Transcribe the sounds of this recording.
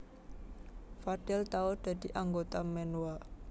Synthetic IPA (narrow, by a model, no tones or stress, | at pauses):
fad̥ɛlt̪aɔd̪̥ä̤d̪̥iʔaŋɡot̪amɛnuwa